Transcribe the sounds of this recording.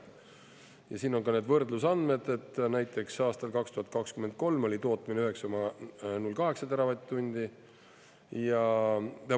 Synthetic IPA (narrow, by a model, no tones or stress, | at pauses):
jɑsiːno̞ŋkɑne̞ːd̪vɤrd̪lusɑnd̪me̞d̪̥e̞t̪ːnæjt̪ːˑe̞ksɑːst̪ɑlkɑkst̪uhɑt̪̚kɑkskymend̪̚ko̞lmo̞lʲit̪o̞ːt̪ˑmineyɦe̞ksɑomɑnulkɑɦe̞ksɑt̪eɾɑvɑt̪t̪unʲd̪̥i | jɑt̪e